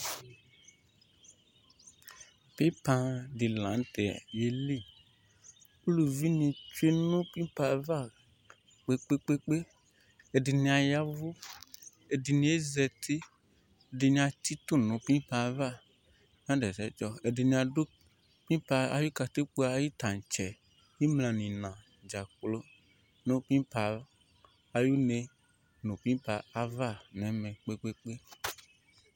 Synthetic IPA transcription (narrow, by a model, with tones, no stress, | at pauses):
pe˦pã˧di˨lã˨˦n˦t̪ɛ˨je˨li˦ | u˦lu˨vi˦nĩ˨t͡ʃu˦e˦nũ˦pĩ˦pa˨va˦˨ | k͡pe˦k͡pe˦k͡pe˦k͡pe˦ | e˨di˨nĩ˧a˨ja˦vu˦ | e˨di˨nĩ˧˦e˦zɛ˨t̪ʰi˦ | e˨de˨nĩ˨a˨t̪i˦t̪u˦nũ˨˦pĩ˦pa˨˦va˦ | ɲ˦ã˦dɛ˨sɛ˨d͡ʒɔ˦e˨de˨nĩ˨ã˨do˦ | pĩ˦pa˧a˦ju˦ka˨t̪i˦k͡pu˦a˨˦ji˦t̪a˨n˨t͡ʃɛ˨ | ji˦mlã˨nĩ˨nã˨ | d͡ʒa˨k͡plo˦ | nõ˦pĩ˦pa˨ | a˨ju˦ne˨ | nũ˨pĩ˦pa˨a˦va˦˨nɛ˨˦mɛ̃˨k͡pe˦k͡pe˦k͡pe˦